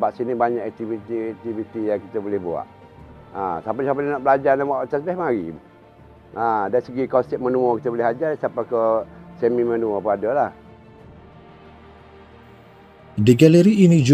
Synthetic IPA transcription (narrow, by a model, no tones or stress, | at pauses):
baʔsinibaɲakɛk̚t̪ivit̪iɛk̚t̪ivit̪ijaŋkit̪əbolɛhbua̰ʔ | a̰t̪apisapəlnɔʔbəlad͡ʒarnawaʔt̪asbɛhmaɾḭ | adaɾisəɡikɔnsɛt̚mənũɔkit̪əbolɪɦad͡ʒarsapakəsɛmimənũɔpəadəlah | diɡɛləɾiːnĩd͡ʒu